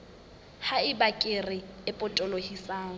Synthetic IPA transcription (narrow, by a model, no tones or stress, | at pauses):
haɪbakʼɪrɪɪpʼʊtʼɔlohisaːŋ̩